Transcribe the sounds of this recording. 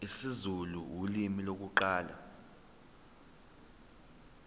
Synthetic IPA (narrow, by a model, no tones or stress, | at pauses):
isizuluwulimilok̬uǃaːla̰